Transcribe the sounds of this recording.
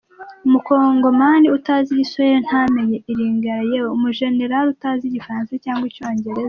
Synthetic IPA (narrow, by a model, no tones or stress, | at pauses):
umuko̞ːŋɡo̞maːndiutaːziɟisoeɾon̥hameɲeiɾiːŋɡaɾajewumuʒe̞ne̞ɾalutaːziɟifaɾaːnsacaːŋɡwico̞ːɲɟe̞ɾeza